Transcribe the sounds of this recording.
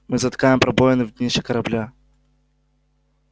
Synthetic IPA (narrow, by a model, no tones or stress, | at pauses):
mɨzɐt̪kajɪmpɾɐbojɪnɨvd̪ʲnʲeʃɛkɐɾɐblʲa